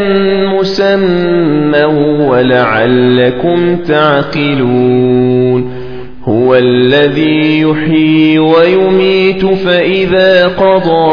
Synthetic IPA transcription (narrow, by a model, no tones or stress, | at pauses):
mʊsamː | awwalaʕalːakʊmt̪aʕqɪluːn | hʊwalːaðiːjʊħiːwajʊmiːt̪ʊfaʔɪðaːqɑd̪ˤɑː